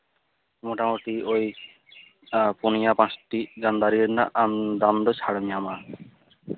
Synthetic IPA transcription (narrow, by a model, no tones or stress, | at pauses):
moʈamoʈ̪ioj | ponijapãsʈid͡ʑand̪aɾiɾnaʔamd̪amd̪ot͡ɕʰaɽomiama